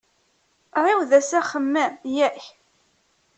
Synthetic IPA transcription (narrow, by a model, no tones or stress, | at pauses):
ɾˤɪwðæsæχəmːæjæç